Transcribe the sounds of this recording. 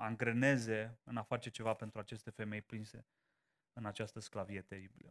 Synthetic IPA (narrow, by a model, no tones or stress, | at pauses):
aŋɡɾene̞ze̞ɨnafat͡ʃe̞t͡ʃe̞vape̞nt̪ɾuat͡ʃe̞st̪e̞fe̞me̞jplinse̞ | ɨnat͡ʃast̪əsklavije̞t̪eɾibilə